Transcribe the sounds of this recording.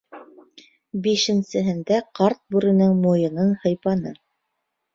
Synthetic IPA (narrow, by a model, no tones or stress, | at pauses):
biʃɘ̆nsɘ̆ɦɘ̆nd̪æqɑɾt̪̚bʉɾɘ̆nɘŋmujɤ̆nɤnhɤ̆jpɑnɤ